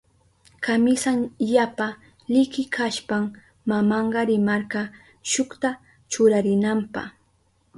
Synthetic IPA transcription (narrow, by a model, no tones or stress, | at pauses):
kamɪsaŋjapa | lɪkɪkʰaʃpam | mamɑɴɢɑɾɪmaɾka | ʃʊkt̪a | t͡ʃʊɾaɾɪnampɑ̰χ